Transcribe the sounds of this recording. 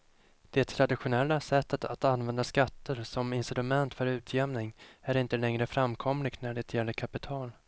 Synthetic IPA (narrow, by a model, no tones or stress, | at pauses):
d̪̥ɛt̪ʰɾad̪ɪɧʊnɛlːasɛt̪ːət̪ʰat̪anvɛnd̪askat̪ːəɾsɔmɪnsɪɾɵmɛnt̪fœɾʉ̟ːt̪ʰjɛmnɪŋæɾɪnt̪əlɛŋɾəfɾamkʰɔmlɪɡnæɖɛt̪ʰjɛlːəɾkʰapɪt̪ʰɑːl